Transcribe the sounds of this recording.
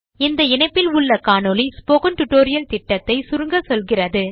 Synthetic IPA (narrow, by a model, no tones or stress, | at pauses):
ɪnd̪ɐɪnɐɪpːɪlʊɭːɐkaːnolispoːkɐnʈʊʈːoːɾɪjɐlt̪ɪʈːɐt̪ːɐɪsʊɾɯŋɡɐsɔlɣɪrɐðɯ